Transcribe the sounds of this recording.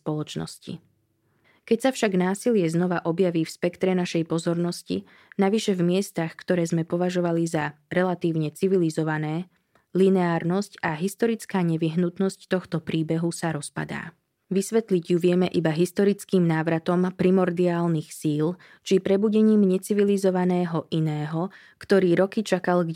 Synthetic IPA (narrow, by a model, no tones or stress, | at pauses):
pɔlɔt͡ʃnɔ̰scḭ | kɛcsafʃaɡnaːsilɪɛznɔʋaʔɔbjaʋiːfspɛkt̪ɾɛnaʃɛjpɔzɔɾnɔscḭ | naʋiʃɛvmɪɛst̪axkt̪ɔɾɛːzmɛpɔʋaʒɔʋalizaɾɛlat̪iːʊɲɛt͡siʋilizɔʋanɛː | linɛaːɾnɔscaɦist̪ɔɾit͡skaːɲɛʋiɦnut̪nɔsct̪ɔxt̪ɔpɾiːbɛɦusaɾɔspa̰d̪a̰ː | ʋisʋɛt̪liɟjuʋɪɛmɛʔibaɦist̪ɔɾit͡skiːmnaːʋɾat̪ɔmpɾimɔɾd̪iaːlnixsiːl | t͡ʃipɾɛbuɟɛɲiːmɲɛt͡siʋilizɔʋanɛːɦɔʔinɛːɦɔ | kt̪ɔɾiːɾɔkit͡ʃakalɡ